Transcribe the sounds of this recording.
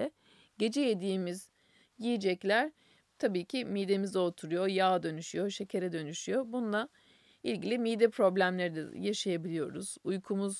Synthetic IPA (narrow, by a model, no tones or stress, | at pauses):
ɛ | ɟe̞d͡ʒɛjed̪iːmiz̥ | jijid͡ʒɛclʲæɾ̥ | t̪ʰabiːcʰimiːd̪e̞mizɛo̞t̪ʰuɾujo̞jaːd̪ø̞nyʃyjo̞ʃe̞cʰe̞ɾɛd̪ø̞nyʃyjo̞bunulˠa | ilʲɟilʲimiːd̪ɛpʰɾo̞blʲæmlʲeɾid̪ɛ̰jaʃajabilʲijo̞ɾuz̥ujkʰumuz